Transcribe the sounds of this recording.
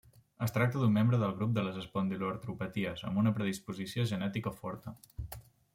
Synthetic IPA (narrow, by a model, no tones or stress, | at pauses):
əst̪ɾak̚t̪əðumːembɾəðəlˠɣɾup̚d̪ələzəspɔnd̪iloɾt̪ɾupət̪iəzə̰mbunəpɾəðispuzisioʒənɛt̪ikofɔɾt̪ə